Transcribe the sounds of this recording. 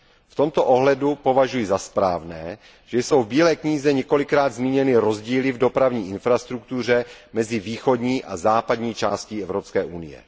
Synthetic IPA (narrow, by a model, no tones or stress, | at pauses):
ft̪o̞mt̪oʔoɦlɛdupo̞vaʒujɪzaspɾaːvnɛː | ʒ̥ɛjso̞wvbiːlɛːkɲiːzɛɲɛko̞lɪkɾaːd̪zmiːɲɛnɪɾo̞zɟiːlɪvdo̞pɾavɲiːʔɪnfɾast̪ɾukt̪ur̝ɛmɛzɪviːxo̞dɲiːʔa̰zaːpadɲiːt͡ʃaːsciɛvɾopskɛːʔunɪjɛ̰